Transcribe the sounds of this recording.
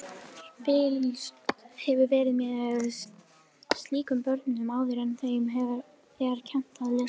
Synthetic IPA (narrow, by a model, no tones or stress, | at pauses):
pɪːlishɛvʏɾvɛːɾɪðmjɛðɛ | st̪liːkʏmpœɾt̪nnʏmaːwðɪɾɛnθejʏmɦɛv | ɛɣaɾ̥cʰɛn̥t̪aðlɪ